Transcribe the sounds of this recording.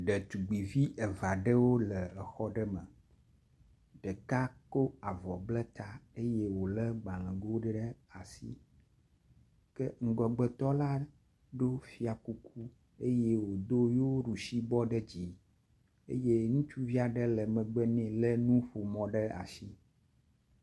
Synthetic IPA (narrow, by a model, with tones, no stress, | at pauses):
ɖə˨t̪u˨ɡ͡bi˨vi˦ʔə˨va˨ɖə˦wo˦lə˨ə˨xɔ˦ɖə˦mə˨ | ɖə˨ka˦ko˦a˨vɔ˨blə˦t̪a˦e˦je˦wo˨lə˦ɡ͡ba˨lə̃˨ɡo˦ɖɖə˦a˨sḭ˦ | kə˦ŋ̩˦ɡɔ˨ɡ͡bə˨t̪ɔ˦la˦ | ɖo˦fi˦a˨ku˦kʰu˦ | e˦je˦wo˨d̪o˦jo˦ɖu˨ʃi˦bɔ˦ɖə˦d͡ʑi˨ | ḛ˦je˦ŋũ˦t͡ʃu˦vi˦a˨ɖə˦lə˨mə̃˨ɡ͡bə˦nɛ̃˨lə˦nũ˦ɸo˨mɔ̃˨ɖə˦a̰˨si˦